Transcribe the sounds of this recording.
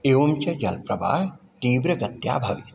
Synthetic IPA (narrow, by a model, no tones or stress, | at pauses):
eːʋomt͡ʃɐd͡ʒɐlpɾɐbʱa̰ːj | t̪iːʋɾɐɡɐt̪ja̰ːbʱɐʋḭ